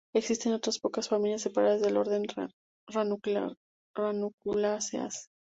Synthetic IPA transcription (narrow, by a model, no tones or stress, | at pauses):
e̞ksist̪e̞no̞t̪ɾaspo̞kasfamiljas̬ːe̞paɾaðazðe̞lo̞ɾðe̞n | ranukla | ranukulasea̰s